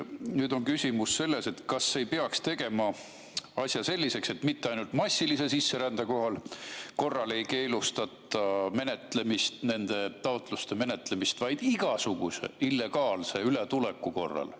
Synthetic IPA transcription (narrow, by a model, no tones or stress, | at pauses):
nyːd̪o̞nkysʲimusːe̞lːe̞se̞t̪kɑsːe̞jpeɑkst̪e̞ɡe̞mɑ | ɑsʲjɑse̞lʲːise̞kse̞t̪ːmit̪ːeɑjnult̪mɑsʲːilise̞sisːe̞ɾænd̪̥eko̞ɦɑlko̞rːɑle̞jke̞ːlust̪ɑt̪ːˑɑme̞ne̞t̪le̞mist̪ne̞nd̪̥e̞t̪ɑot̪ˑlust̪e̞me̞ne̞t̪ˑle̞mist̪vɑjd̪̥iɡ̥ɑsuɡ̥use̞̰ilːe̞ɡ̥ɑːlse̞ylet̪ule̞kːˑuko̞rːɑ̰l